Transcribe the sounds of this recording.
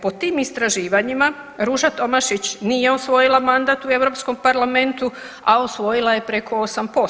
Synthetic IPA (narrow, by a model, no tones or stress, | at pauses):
po̞t̪iːmist̪ɾaʒiːʋaɲima | ɾuʒat̪o̞maʃit͡ɕnije̞osʋo̞jilˠamand̪aːt̪ue̞ʋɾo̞psko̞mpaɾlame̞nt̪u | ao̞sʋo̞jilˠaje̞pɾe̞kʰo̞osampo̞